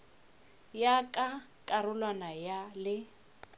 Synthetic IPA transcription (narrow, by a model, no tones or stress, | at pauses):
jakʼakʼarʊlwanajalɪ